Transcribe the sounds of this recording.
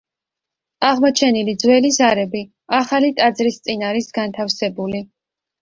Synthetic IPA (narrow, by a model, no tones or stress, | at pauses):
aʁmɔt͡ʃʰɛnilid̪zwɛlizaɾɛbi | aχalit̪ʼad̪zɾist̪sʼinaɾisɡant̪ʰafsɛbuli